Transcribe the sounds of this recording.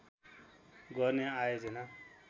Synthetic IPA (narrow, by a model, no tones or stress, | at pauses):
ɡʌrneajod͡zʌna